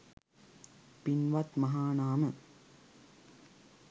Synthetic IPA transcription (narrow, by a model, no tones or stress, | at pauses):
pinʋɐt̪mɐɦaːnaːmə